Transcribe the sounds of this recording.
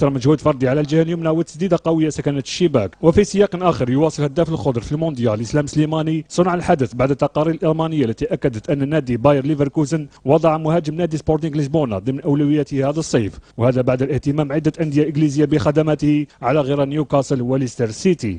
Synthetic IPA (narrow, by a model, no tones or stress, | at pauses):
t̪ɑɾˤməʒhud̪fɑɾˤd̪iʕalæld͡ʒəhljʊmnawət̪ːə̥sd̪id̪aqɑwəjːasækænæt̪əʃːəbækwəfisˤəjɑqnʔæxəɾjwɑsˤəlhæd̪ːæfəlxʊd̪ɾˤfilmond̪jæləslæmslimænisˤənʕəlħad̪əθbaʕd̪ət̪ːɑqɑɾiɾəlʔɑɾmænəjːalːæt̪iʔækːæd̪ət̪ʔənːnːæd̪ibɑjəɾˤlivəɾkuzənwɑd̪ˤɑʕmʊhæd͡ʒəmnæd̪ispoɾt̪əŋɡləsbunɑ̰d̪əmnʔæwlæwəjːæt̪əhæd̪əsˤːɑjfwhæd̪æbaʕd̪əlʔəht̪əmæmʕəd̪ːæʔænd̪əjaʔəɡlizəjːabəxæd̪æmæt̪əhiʕalæɣiɾænjukɑsˤəlwələst̪əɾsit̪i